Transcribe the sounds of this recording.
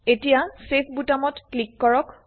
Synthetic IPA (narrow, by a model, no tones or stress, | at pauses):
etijasepʰbutamɔtklikːɔɹɔk